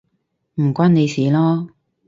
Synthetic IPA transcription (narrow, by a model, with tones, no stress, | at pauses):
m̩˨˩kʷaː˥nne˨˧jsiː˨lɔː˥